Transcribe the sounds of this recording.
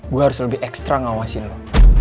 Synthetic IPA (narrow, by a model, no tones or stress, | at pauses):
ɡuaɦaɾʊsləbɪhɛkst̪ɾaŋawasɪnlɔh